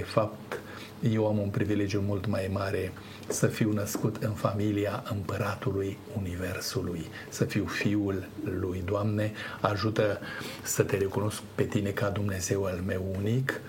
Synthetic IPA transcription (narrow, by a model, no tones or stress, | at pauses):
efapt̪ | je̞wamunpɾivile̞d͡ʒjumult̪majmaɾe̞ | səfiwnəskut̪ʰɨnfamiliaʔɨmpəɾat̪uluj | unive̞rsuluj | səfiwfiulːujd̪oʊamne̞aʒut̪əsət̪e̞ɾe̞kuno̞sk̚pe̞t̪ine̞kad̪umne̞ze̞walme̞wunik